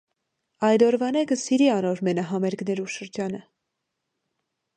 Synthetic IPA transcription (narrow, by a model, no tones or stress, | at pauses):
ɑjd̪ɔɾvɑnɛɡəsiɾiɑnɔɾmɛnɑɦɑmɛɾɡnɛɾuʃəɾd͡ʒɑnə